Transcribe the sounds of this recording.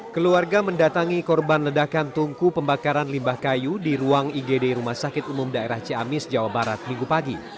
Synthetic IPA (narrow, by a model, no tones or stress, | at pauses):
kəluarɡaməndat̪aŋikɔrbanlədakant̪uŋkupəmbakaɾanlimbahkajudiɾuaŋiɡedeiɾumahsakɪt̪umʊmdaeɾaht͡ʃiamɪsd͡ʒawabaɾat̪̚mĩŋɡupaɡi